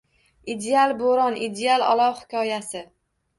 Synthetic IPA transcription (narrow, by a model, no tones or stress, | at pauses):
id̪ealˠboɾɒnid̪ealˠɒ̰lˠɒwhɪ̥kʲʰɒjasɪ